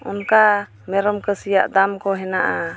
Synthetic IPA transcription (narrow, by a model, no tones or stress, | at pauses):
ɔ̰nka | mɛɾɔmkəsijaʔd̪amkɔɦɛnaʔa